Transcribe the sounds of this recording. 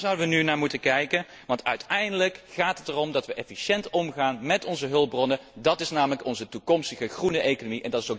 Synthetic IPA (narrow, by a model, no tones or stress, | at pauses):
zʌwdəʋənynaːɹmutəkɛjkən | ʋɑntœɥtʰɛjndələkχaːtɦətərɔmdɑtʋəʔɛfiʃɛntɔmχaːnmɛtɔnzəɦɵlˠbrɔnədɑtɪsnaːmələkɔnzətukɔmstəχəχrunəʔejkonomiʔɛndɑtɪsok